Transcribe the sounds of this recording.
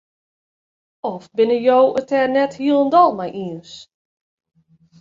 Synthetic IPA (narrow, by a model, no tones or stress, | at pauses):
ɔfbɪnəjowətʰɛrnɛthiəlˠəndɔlˠmajʔiəns